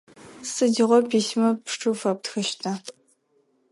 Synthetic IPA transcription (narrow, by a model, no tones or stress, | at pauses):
sɨdiʁʷɔpʰiːsmɐpʂʈ͡ʂʰʼɨfɐp̚txɨʃtʰɐ